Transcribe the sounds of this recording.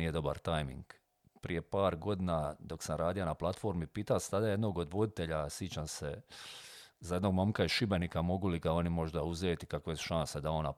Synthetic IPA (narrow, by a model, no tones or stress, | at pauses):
ije̞d̪o̞ba̰ɾt̪ajmḭŋɡ | pɾije̞paːɾɡo̞d̪inad̪o̞ksanɾaːd̪ijonaplˠat̪fo̞ːɾmipiːt̪ast̪ad̪aje̞d̪no̞ːɡo̞d̪ʋo̞d̪it̪eʎasjit͡ɕamse | zaje̞d̪noɡmomkaiʃibenikamo̞ɡuliɡao̞nimo̞ʒd̪auzeːt̪i̥kakʋeesʃansad̪ao̞na̰